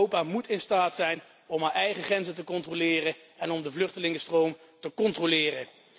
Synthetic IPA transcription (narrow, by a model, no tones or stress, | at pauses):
owpaːmutʰɪnstaːtsɛjn | ɔmɦaːɹɛjχəχrɛnzətəkɔntrolɪːrə | ɛnɔmdəvlɵχtəlɪŋəstrowm | təkɔntrolɪːrə